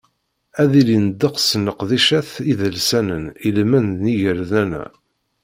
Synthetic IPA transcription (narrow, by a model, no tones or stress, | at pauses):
æðilinəd̪ːəqsnəqðiʃæθiðəlsænənilmænðniʝəɾðænæ̰